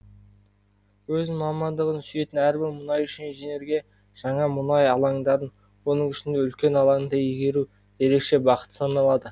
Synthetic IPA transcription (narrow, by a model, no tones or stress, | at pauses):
wɵzɪnmɑmɑnd̪əʁənsʏje̞t̪ɪnæɾbɪɾmʊnɑjʏʃɪnʒene̞ɾɡʲe̞ | ʒ̥ɑɴɑmʊnɑjɑlˠɑŋd̪ɑɾən | wo̞nəɴʏʃɪnd̪e̞ʏlkʲenɑlˠɑŋd̪ɑiɡʲe̞ɾu | e̞ɾe̞kʃe̞bɑqə̥t̪ə̥sɑnɑlˠɑd̪ə